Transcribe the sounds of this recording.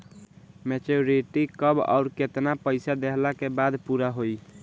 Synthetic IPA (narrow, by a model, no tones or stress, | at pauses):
met͡ʃoɾiʈikəba̰ʊɾket̪napəɪsad̪eɦlakebad̪puɾaɦoi